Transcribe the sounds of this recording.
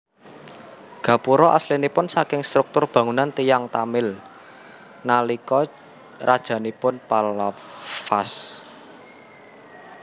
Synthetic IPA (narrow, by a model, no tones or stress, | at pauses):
ɡ̥ä̤puɾɔʔaslinipʊnsakɪŋst̪ɾuk̚t̪ʊrb̥ä̤ŋunant̪ijaŋt̪amɪl | nalikɔ | rad̥ʒ̥ä̤nipʊnpalafas